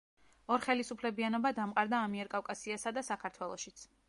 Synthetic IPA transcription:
ɔɾχɛlisupʰlɛbianɔbad̪amqʼaɾd̪aːmiɛɾkʼafkʼasiasad̪asakʰaɾt̪ʰwɛlˠɔʃit̪sʰ

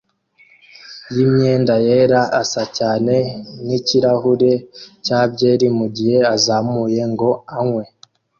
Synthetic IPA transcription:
jimɲe̞ːndaje̞ːɾaʔasacaːne̞niciɾahuɾe̞caːbɟe̞ːɾimuɟihe̞azaːmuje̞ŋɡo̞aŋwe̞

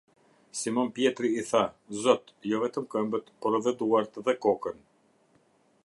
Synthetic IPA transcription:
simɔnpjɛt̪ɾiːθazɔt̪jɔvɛt̪əmkəmbət̪pɔɾvɛd̪uaɾt̪ðɛkɔkən

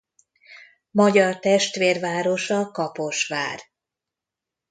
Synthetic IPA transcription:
mɒɟɒrt̪ɛʃt̪ʋeːrvaːɾo̞ʃɒkɒpo̞ʃʋaːr

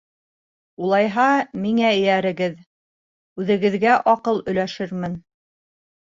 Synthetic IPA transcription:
ulˠɑjɦɑmiŋæɘ̆jæɾɘ̆ɡɘð | ʉðɘ̆ɡɘ̆ðɡæʔɒqɤlˠɵ̆jlæʃɘɾmɘn

